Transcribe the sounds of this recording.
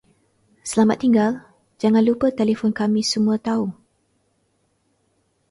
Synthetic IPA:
səlamat̪ːiŋɡal | d͡ʒaŋãnlupət̪elefɔnkamĩsəmũat̪au

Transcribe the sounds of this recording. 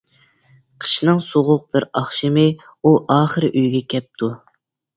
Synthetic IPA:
qʰə̥ʃnɨŋsoʁʊq̚b̥ɪɾɑχʃɨmɨ | uʔɑːχəɾɨʔyjɡʲɛkʲʰɛp̚t̪ʰu

